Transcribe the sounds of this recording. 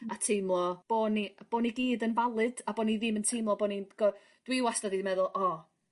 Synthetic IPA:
atʰejmlˠɔb̥oːnib̥oːniɡiːdənvalˠɨd̥aboːniðɪməntʰejmlˠɔboːninɡ̥ɔ | d̥wɪwasdəðimɛðʊlˠʔɔ

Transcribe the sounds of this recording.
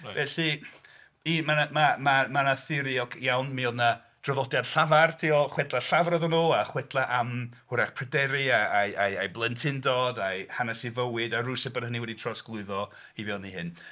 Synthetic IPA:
vɛɬi | imanamamamanaθɪɾiɔkʰjawnmiɔðna | d̥rəvɔdjad̥ɬavartʰiɔχwɛdlˠaɬavaɾɔðɔnuaχwɛdlˠaʔamhʊɾaχpʰrɛdɛɾiaajaa̰jblˠəntʰɪndɔdajhanasivəwɨdaɾʊjsɛbənhəniwɛditʰrɔsɡ̥lˠʊɨðɔ | ivɛlˠnihɨn

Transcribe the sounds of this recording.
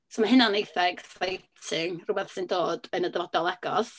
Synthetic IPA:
somaɦɨnanːejθɛɡ̥sajtʰɪŋrubɛθsɪndoːd̥ənədəvɔd̥ɔlˠɛɡ̥ɔ̰s

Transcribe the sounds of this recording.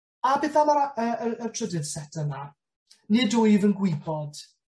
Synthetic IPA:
abɪθamaɾəəətʰrədɨðsɛtʰəna | nidʊjvənɡwɪbɔd̥

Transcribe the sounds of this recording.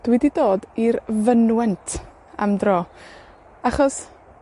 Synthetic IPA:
d̥wididoːdiɾvənwɛntʰ | a̰mdrɔː | aχɔs

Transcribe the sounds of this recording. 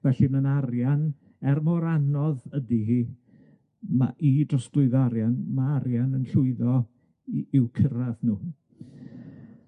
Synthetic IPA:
vɛɬimənarjan | ɛrmɔɾanɔðədihiː | ma̰ʔidrɔsɡlˠʊɨðɔaɾjanmaaɾjanənɬʊɨðɔ | ɪwkʰəɾaθnuː

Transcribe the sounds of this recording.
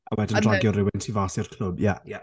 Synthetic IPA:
awɛdəndraɡjɔrɪwɛntʰivaːsɪrkʰl̥ˠʊbja

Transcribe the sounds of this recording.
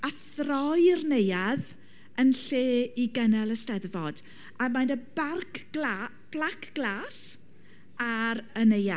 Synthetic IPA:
aθrɔjrnejað | ənɬeːiɡənɛlˠəstɛðvɔd̥ | amajndəbarkʰla | b̥lakʰɡ̥laːs | aɾəneja

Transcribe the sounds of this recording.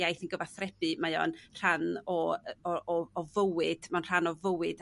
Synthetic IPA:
ajθənɡəvaθrɛb̥ɨmajɔ̰nr̥anɔɔɔːvəwɨd̥manr̥anɔvəwɨd̥

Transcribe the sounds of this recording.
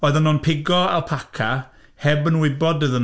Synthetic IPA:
oːɨðənɔnpʰɪɡɔa̰lˠpʰakʰa | hɛbənwɪbɔdəðən

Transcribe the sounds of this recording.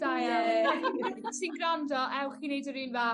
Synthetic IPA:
d̥aj | sinɡramdɔʔɛwχinejdɔɾinva

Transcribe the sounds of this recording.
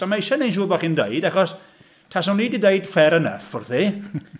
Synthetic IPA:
amaɪʃanejnʃ̬uːbaχindejdaχɔs | tʰasɔniːdidejd̥fɛɾənə̰fʊrθi

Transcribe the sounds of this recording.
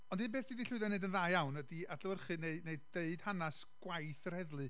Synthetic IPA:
ɔndɨnbeːθd̥idiɬʊɨðɔneɨdənðaːjawnədiadləwərχɨneɨneɨdeɨd̥hanas | ɡ̥wajθr̥ɛðlˠɨ

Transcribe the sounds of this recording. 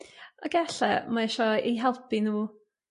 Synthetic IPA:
ɔɡɛɬɛmaɛʃɔejɦɛlˠpʰinuː

